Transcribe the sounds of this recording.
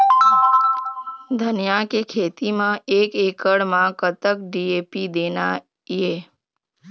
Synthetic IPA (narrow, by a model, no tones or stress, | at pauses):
d̪ʱənjakekʰeːt̪imãeːkeːkəɽmãkət̪əkɖiːeːpid̪eːna | jeː